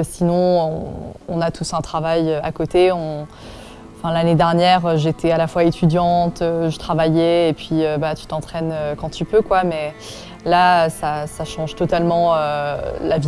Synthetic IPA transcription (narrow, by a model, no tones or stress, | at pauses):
sinɔ̃ɔ̰̃ɔ̰̃nat̪ʰusɛ̃t̪χavajøa̰kot̪eɔ̃ | fɛ̃laned̪ɛʁnjɛʁøʒet̪ʰealafwaet̪ʰyd̪jɑ̃t̪øʒət̪χavajɛːpɥiøbat̪y̥t̪ɑ̃t̪χɛnøkɑ̃t̪ypøkwamɛ | laøsasaʃɑ̃ʒt̪ɔt̪almɑ̃ølavi